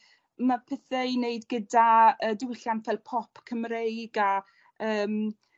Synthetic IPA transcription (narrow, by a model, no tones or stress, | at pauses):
mapʰɛθɛineɨdɡədaəːdɪwɪɬjanfɛlˠpʰɔpʰkʰəmrejɡa | əːm